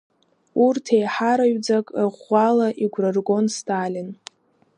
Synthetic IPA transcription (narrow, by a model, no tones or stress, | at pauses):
urtʰe̞jħaɾaɥd͡zakʼʁʷalaʔiɡʷrɨrɡo̞nstʰalʲin